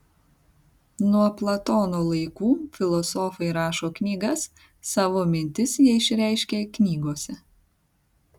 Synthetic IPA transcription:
nuɔplˠɐt̪oːnoːlˠɐɪkuːfʲɪlˠɔsɔːfɐɪɾɑːʃoːknʲiːɡɐsː | ɑːʋoːmʲɪnʲt̪ʲɪsjiɛɪʃʲɾʲæˑɪʃʲkʲeːknʲiːɡoːsʲɛ

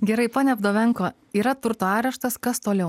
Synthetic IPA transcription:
ɡʲɛɾɐɪpoːnʲɛɐbd̪oːʋʲɛŋkoː | iːɾɐt̪ʊɾt̪oːɑːɾʲɛʃt̪ɐskɐst̪oːlʲɛʊ

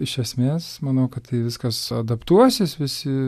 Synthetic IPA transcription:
ɪʃɛsʲmʲeːsmɐnɐʊkɐt̪t̪ɐɪʋʲɪskɐsɐd̪ɐpt̪uɔsʲɪsʋʲɪsʲɪ

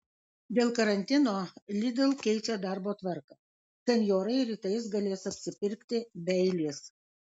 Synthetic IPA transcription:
d̪ʲeːlˠkɐɾɐnʲt̪ʲɪnoːlʲɪd̪ʲɛlˠkʲɛɪt͡ʃʲɛd̪ɑˑɾboːt̪ʋɐɾkɐ | sʲɛnʲjoːɾɐɪɾʲiːt̪ɐɪs̬ɡɐlʲeːsɐpʲsʲɪpʲɪɾʲkt̪ʲɪbʲɛɪlʲeːs

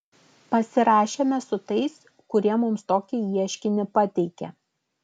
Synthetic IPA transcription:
pɐsʲɪɾɑːʃʲeːmʲɛsʊt̪ɐɪs | kʊɾʲiɛmʊmst̪oːkʲɪiɛʃʲkʲɪnʲɪpɑt̪ʲɛɪkʲɛ̰

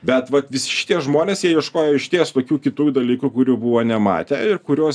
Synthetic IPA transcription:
bʲɛt̪ʋɐt̪ʋʲɪsʲɪ̥ʃʲɪ̥t̪iɛʒmoːnʲeːsjiɛjɛʃkoːjoːɪʃʲt̪ʲeːst̪oːkʲuːkʲɪt̪uːjd̪ɐlʲiːkukʊɾʲuːbuʋoːnʲɛmɑ̰ːt̪ʲɛ̰ɪrkʊɾʲoːs

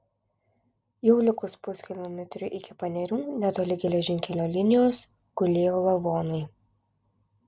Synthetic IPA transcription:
jɛʊlʲɪkʊspʊsʲkʲɪlʲˠɔmʲɛt̪ʲɾʲʊʔɪkʲɪpɐnʲɛɾʲuːnʲɛt̪oːlʲɪɡʲɛlʲɛʒʲɪŋʲkʲɛlʲoːlʲɪnʲɪjoːs | ɡ̥ʊlʲeːjoːlˠɐʋoːnɐɪ

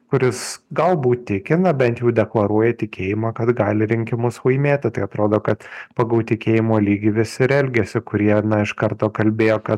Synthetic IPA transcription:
kʊɾʲɪsɡɐlˠbuːt̪̚t̪ʲɪkʲɪnɐbʲɛnt̪jɛʊd̪ʲɛklˠɐɾuɔjɛt̪ʲɪkʲeːjɪmɑːkɐt̪ɡɑːlʲɪɾʲɪŋʲkʲɪmʊsʋɐɪmʲeːt̪ʲɪt̪ɐɪɐt̪ɾoːd̪oːkɐt̪pɐɡɐlt̪ʲɪkʲeːjɪmoːlʲiːɡʲɪʋʲɪsʲɪɾɛlʲɡʲɛsʲɪkʊɾʲiɛnɐɪʃkɐɾt̪oːkɐlʲbʲeːjoːkɐt̪

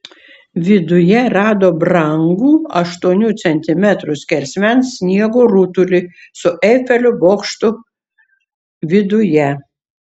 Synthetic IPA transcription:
ʋʲɪd̪ʊjɛɾɑːd̪oːbɾɐŋɡuːɐʃt̪uɔnʲuːt̪sʲɛnʲt̪ʲɪmʲɛt̪ɾʊsʲkʲɛlʲsʲmʲɛnssːʲnʲiɛɡoɾʊt̪ʊlʲɪsʊʔɛfʲɛlʲʊboːkʃt̪ʊ | ʋʲɪd̪ʊjɛ

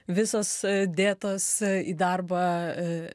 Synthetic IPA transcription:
ʋʲɪsoːsd̪ʲeːt̪oːsiːd̪ɐɾbɐ

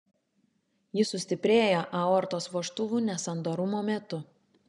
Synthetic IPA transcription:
jɪsʊsʲt̪ʲɪpʲɾʲeːjoʔɐɔːɾt̪oːsʋoːʃt̪ʊʋuːnʲɛsɐnd̪oːɾʊmoːmʲɛt̪ʊ

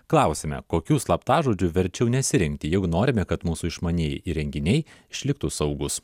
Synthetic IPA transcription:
klˠɑˑʊsʲeːmʲɛ̰koːkʲuːslˠɐpt̪ɑːʒoːd͡ʒʲʊʋʲɛɾʲt͡ʃʲɛʊnʲɛsʲɪɾʲɪŋʲkt̪ʲɪjɛɪɡʊnoːɾʲɪmʲɛkɐt̪muːsuɪʃmɐnʲeːjiɾʲɛŋʲɡʲɪnʲɛɪɪʃʲlʲɪk̚t̪usɐʊɡʊs

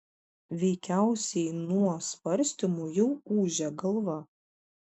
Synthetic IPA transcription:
ʋʲɛɪkʲæˑʊsʲɛɪnuɔsʋɐɾʲsʲt̪ʲɪmujɛʊuːʒʲɛɡɐlˠʋɐ

